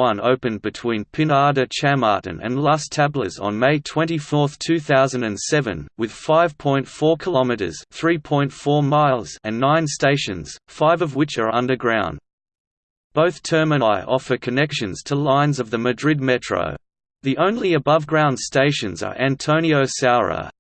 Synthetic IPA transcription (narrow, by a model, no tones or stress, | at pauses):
ʌ̃no̰ʊpɨ̃nbɨtʰw̥ĩnpʰɨ̃nɑɹɾɨt͡ʃʰæmɑ̰ɹʔn̩ɨ̰̃nlɑstʰæblə̰zn̩meɪtʰw̥ɛ̃ntifɔɹθtʰʉθaʊzɨ̃n̩dɨ̃nsɛvɨ̰̃nwɨð̥faɪv̥pʰɔ̃ɪ̃ntfɔɹkʰəlɑmɨɾə̰˞z̥θɹipʰɔ̃ɪ̃ntfɔɹmaɪlˠz̥ɨ̃nːãɪ̃nsteɪʃɨ̰̃nz̥faɪvʌvwɨt͡ʃə˞ʌ̃ndə˞ɡɹãʊ̃n | b̥oʊθtʰɜ˞mɨ̃nɪʔɔfə˞kʰɨnɛkʃɨ̃nz̥tʰəlãɪ̃nzʌvðɨmɨdɹɪd̚mɛt͡ʃɹ̥ə̰ʊ | ðiʔõʊ̃nliɨbʌvɡɹãʊ̃nd̥steɪʃɨ̃nzə̰˞ʔæ̃ntʰõʊ̃ñioʊsaʊɹə̰